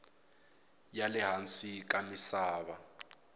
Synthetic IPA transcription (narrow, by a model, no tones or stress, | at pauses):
jalɛɦant͡sʼik̬ʼamisaːβa